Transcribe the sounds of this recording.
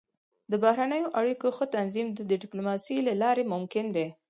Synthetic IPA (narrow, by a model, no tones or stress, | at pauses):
d̪əbahɾanəjoʔaɽikoxət̪anzimd̪əd̪ɪɖɪplomɑsilalɑɾemʊmkɪnd̪e